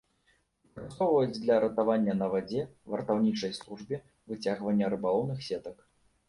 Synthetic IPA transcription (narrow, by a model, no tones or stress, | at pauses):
kɾast̪ɔwvɐjud͡zʲd̪lʲɐɾɐt̪avanʲːɐnɐvad͡zʲɛvɐrt̪awnʲit͡ʂɐjslˠuʐbʲi | vɨt͡sʲaɣvɐnʲːɐɾɨbalˠɔwnɨxsʲɛt̪ɐk